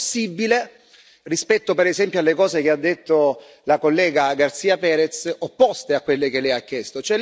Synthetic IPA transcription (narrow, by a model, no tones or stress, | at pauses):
sːibːile | rispɛt̪ːopeɾezɛmpjoalːekɔːzekead̪ːet̪ːo | lakolːɛːɡaɡart̪siːapɛːɾɛt̪sopːɔst̪eakːwelːek̟elɛjakːjɛst̪ot͡ʃoɛl